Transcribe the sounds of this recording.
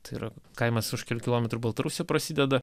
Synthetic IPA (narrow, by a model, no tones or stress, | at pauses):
t̪ɐɪḭːɾɐkɐɪmɐsʊʃkʲɛlʲukʲɪlˠoːmʲɛt̪ɾubɐlˠt̪ɐɾusʲjoːpɾɐsʲid̪ʲɛd̪ɐ